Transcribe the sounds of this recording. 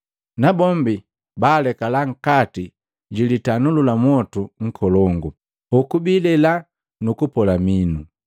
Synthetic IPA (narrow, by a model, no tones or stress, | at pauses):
nabɔmbi | baːlɛkalaŋ̩kati | ɟilitanululamɔtuŋ̩kʰɔlɔŋɡu | ɔkubilɛla | nukupɔlaminu